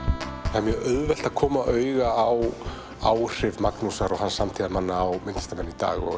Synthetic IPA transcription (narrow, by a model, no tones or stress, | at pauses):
θamjœœðvɛl̥t̪aðkʰɔːmaʔœːɥɣaaw | aːwr̥ɪvmaknusaɾɔɣhansamt̪ʰiːðanmanːaːwmɪnt̪st̪amɛnːit̪a̰ːɣɔ̰